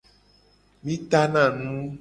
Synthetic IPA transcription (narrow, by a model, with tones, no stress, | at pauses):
mĩ˦t̪a˦nã˨nũ˦